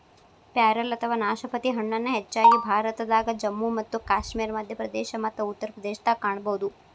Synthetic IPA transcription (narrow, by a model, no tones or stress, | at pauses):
paːɾɐlɐt̪ʰɐʋaːnaːʃɐpɐt̪iɦɐɳːɐnːɐɦet͡ʃːaːɡibʱaːɾɐt̪ɐd̪aːɡɐd͡ʒɐmːumɐt̪ːukaːʃmiːɾmɐd̪ʱjɐpɾɐd̪eːʃɐmɐt̪ːɐut̪ːɐɾɐpɾɐd̪eːʃɐ̥t̪ɐkaːɳɐbɐɦud̪u